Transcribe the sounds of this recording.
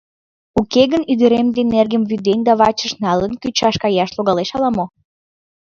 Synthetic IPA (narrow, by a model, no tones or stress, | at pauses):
ukeɣənyd̪əɾemd̪enerɣəmβyd̪enʲd̪ɑβɑt͡ɕəʃnɑlənkyt͡ɕɑʃkɑjɑʃloɣɑleʃɑlɑmo